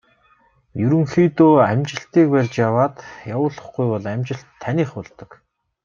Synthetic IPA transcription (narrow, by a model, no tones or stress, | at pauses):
jɵɾɵ̆ŋxiːt̪oːæmʲt͡ɕɪ̆ɬt̪iːk̚pærʲt͡ɕjawaːt̪jawʊːɮə̆χɡujpɔɮæmʲt͡ɕɪ̆ɬt̪ʰːæniːχʊɮt̪ə̆k